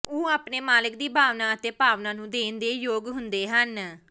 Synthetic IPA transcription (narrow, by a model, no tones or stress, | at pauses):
oːaːpneːmaːlək̚d̪iːbʱaːʋnaːət̪eːpaːʋnãːnũːd̪eːnd̪eːjoːɡɦʊnd̪eːɦən